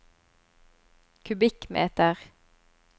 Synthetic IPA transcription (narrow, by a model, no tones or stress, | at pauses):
kʰʉbɪkmḛːt̪əʁ